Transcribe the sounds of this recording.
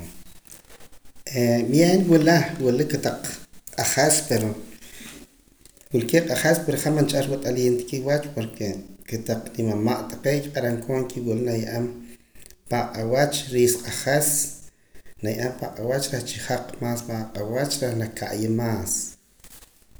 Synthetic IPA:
emjeːnwulawulikːet̪aq͡χqʼaχaspeɾo | wilkeqʼaχespeɾχamant͡ʃʼaɾwat̪ʼaleːnt̪e̥kiwat͡ʃpoɾkeket̪aq͡χnimamaʔt̪ḁqekqʼaɾaŋkʰoːŋkiwilnajaʔam | paqʼawat͡ʃɾiːsqʼaχes | najaʔampaqʼawat͡ʃɾeht͡ʃiχaq͡χmaːspaqʼawat͡ʃɾehnakʰaʔjemaːs

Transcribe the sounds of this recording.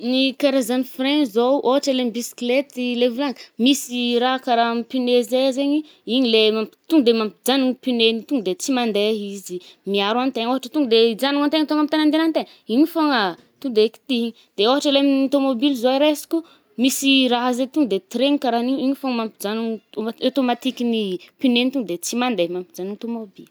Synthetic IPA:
nikaɾezanifrenzowʔoɦaʈ͡ʂelemibisi̥klet̪ilevuaŋmisiɾaɦkaɾamipinezezeɲi | iɲilemampi̥t̪uŋɡd̪emampid͡zanuŋipinenit̪uŋd̪et͡simand̪eɦizimiaɾant̪eɲoɦaʈ͡ʂət̪uŋɡd̪ed͡zanuŋant̪eŋt̪oŋamit̪anand̪enant̪eɲ | iɲifoŋə | t̪uŋd̪eki̥t̪iɲi | d̪̥eoɦaʈ͡ʂəleminot̪omobilizoiɾesi̥ku | misiraɦazet̪uŋd̪et̪iɾeɲikaɾaniɲiɲifoŋəmampid͡zanuɲot̪omat̪ikinipinent̪uŋd̪et͡simand̪emampi̥d͡zanit̪omobili

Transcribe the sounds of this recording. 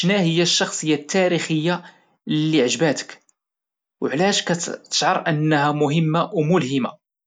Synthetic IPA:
ʃnæhəjːæʃːɑxsˤəjːat̪ʰːæɾixəjːa | lːiʕəʒbæt̪ə̥k | wʕlæʃkæt̪ə̥ʃʕəɾˤʔənːhæmʊhəmːawmʊlhəma̰

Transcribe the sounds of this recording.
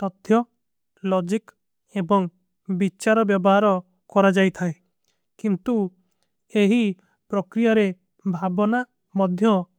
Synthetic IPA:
t̪ɔt̪ʰjɔ | lɔd͡ʒik | ebɔŋ | bit͡ʃaɾɔbjɔbɔɦaɾɔ | kɔɾad͡ʒajt̪ʰae | kint̪u | eɦi | pɾɔkɾijaɾe | bʱabɔna | mɔd̪ʱjɔ

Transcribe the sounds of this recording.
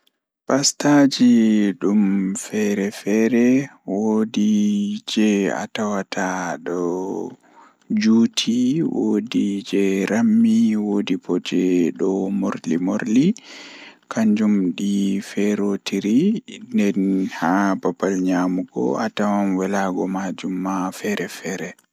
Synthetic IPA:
pastad͡ʒiɗumfɛɾɛfɛɾɛwodid͡ʒɛa̰tawatʰaɗɔ | d͡ʒuːtʰiwo̰did͡ʒɛɾamːiwodipɔd͡ʒɛɗɔmoɾlimoɾli | kʰaɲd͡ʒumɗifɛɾotʰiɾindɛnhabapːalɲamuɡɔ̰atawanwɛlaɡɔmad͡ʒumːafɛɾɛfɛːɾɛ

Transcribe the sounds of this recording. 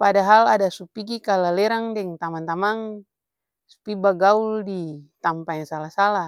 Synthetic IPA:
padaɦaladasupiɡikalalɛɾaŋdɛŋt̪amant̪amaŋ | su̥pibaɡauldit̪ampaɲasalasala

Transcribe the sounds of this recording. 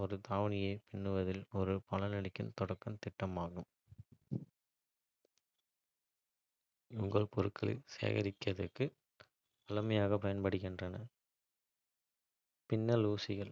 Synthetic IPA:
ɔɾɯt̪aːʋɐnɪjɐɪpɪɳːɯʋɐðɪlɔɾɯpɐlɐnɪɽɪkːɯmt̪ɔɽɐkːɐmt̪ɪʈːɐmaːɣɯm | ʊŋɡɐɭpɔɾɯkʰːɐlɪ̰sḛːɣɐ̰ɾɪkːɐðɐkːɯ | ɐlɐmɐjaːɣɐpɐjɐnpɐɽɯɣɪndrɐnɐ | pɪnːɐluːsɪɣɐɭ

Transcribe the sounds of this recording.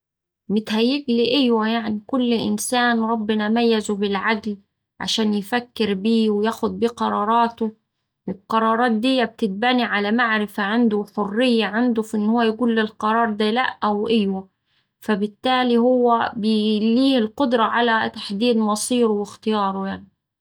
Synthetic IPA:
mɪt̪hæjːɪɡliʔajwæjaʕnikʊlːʔɪ̰nsæːnɾˤɑbːɪnæmæjːazubɪlʕaɡl | ʕa̰ʃæːnjɪfækːɪɾbiːwɪjæːxʊd̪̚biːqɑɾˤɑːɾˤɑːt̪ʊ | wɪlqɑɾˤɑːɾˤɑːt̪̚d̪ɪjːæb̚t̪ɪt̪̚bæːniʕalæmaʕɾɪfaʕand̪ʊħorːɪjːaʕand̪ʊfʔɪnːhʊwːæjɡuːlːɪlqɑɾˤɑːɾˤd̪ælæ̰ʔʔawʔajwæ | fæbɪt̪ːæːlihʊwːæbɪliːhɪlqʊd̪ɾˤɑʕalæt̪ḁħd̪iːd̪mɑsˤiːɾwɪxt̪ɪjɑːɾˤojaʕni

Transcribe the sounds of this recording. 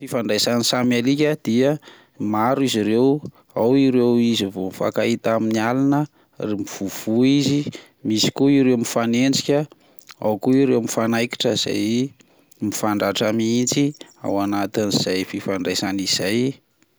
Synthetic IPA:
fifaɳɖ͡ʐajsanisamalikʲəd̪̥iə | maɾiziɾew | awiɾewizivomifa̰kait̪aminialanə | remiv̥uv̥uizi | misi̥kuiɾewmifanend͡ʒikʲə | a̰wkuiɾewmifanajki̥ʈ͡ʂəz̥a̰j | mifaɳɖ͡ʐaʈ͡ʂamiint͡sia̰wanat̪iniz̥ajfifaɳɖ͡ʐajsaniz̥aj

